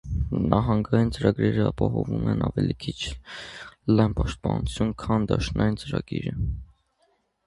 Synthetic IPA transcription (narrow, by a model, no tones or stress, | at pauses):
nʔɑɦɑŋɡɑjint͡səɾɑɡɾɛɾəɑpɑɦɔvumɛnɑvɛlikʰit͡ʃʰ | lɑjnpɑʃt̪̚pɑnut͡sʰjunkʰɑnd̪ɑʃnɑjint͡səɾɑɡiɾə